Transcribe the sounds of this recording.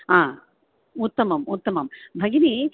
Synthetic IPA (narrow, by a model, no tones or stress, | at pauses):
aː | ut̪ːɐmɐmut̪ːɐmɐmbʱɐɡini